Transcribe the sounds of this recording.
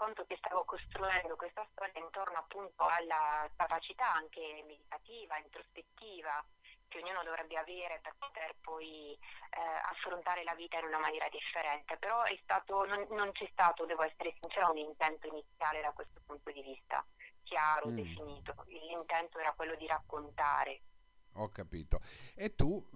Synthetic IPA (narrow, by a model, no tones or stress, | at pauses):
kont̪ok̟est̪aːvokost̪ɾuɛnd̪okwest̪ast̪ɔːɾjaint̪ornoapːunt̪oalːakavat͡ʃit̪aaŋk̟emed̪it̪at̪iːvaint̪ɾospet̪ːiːvak̟eoɲːuːnod̪ovɾʔɛbːeavɛːɾeperpot̪erpɔj | a̰fːɾont̪aːɾelaviːt̪ainunamanjɛːɾad̪ifːeɾɛnt̪epeɾɔɛst̪aːt̪ononːont͡ʃɛst̪aːt̪od̪ɛːvoɛsːeɾesint͡ʃɛːɾounint̪ɛnt̪oinit̪sːjaːled̪akwest̪o̥punt̪od̪ivist̪a̰k̟jaːɾoefiniːt̪oilːint̪ɛnt̪oɛːɾakwelːod̪iɾakːont̪a̰ːɾe | ɔkːapiːt̪oet̪ːu